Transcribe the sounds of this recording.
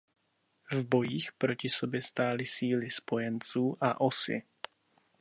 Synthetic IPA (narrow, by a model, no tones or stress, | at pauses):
vbo̞jiːxpɾo̞cɪso̞bjɛst̪aːlɪsiːlɪspo̞jɛnt͡suːʔaʔo̞sɪ̰